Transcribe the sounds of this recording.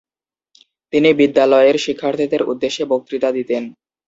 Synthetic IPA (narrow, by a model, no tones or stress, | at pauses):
t̪inibid̪ːalɔeɾʃikʰːaɾt̪ʰid̪eɾṵd̪ːeʃːebok̚t̪ɾit̪ad̪it̪en